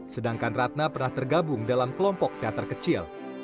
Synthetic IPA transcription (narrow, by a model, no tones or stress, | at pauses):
sədaŋkanrat̪̚napərnaht̪ərɡabʊŋdalamkəlɔmpɔk̚t̪eat̪ərkət͡ʃɪl